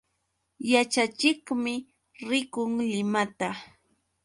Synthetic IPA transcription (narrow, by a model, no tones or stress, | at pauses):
jat͡ʃat͡ʃɪkmɪ | ɾɪkʊŋlɪmat̪a